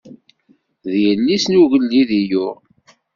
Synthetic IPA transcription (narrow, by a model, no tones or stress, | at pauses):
ðjənːisnuʝəlːiðijʊʁ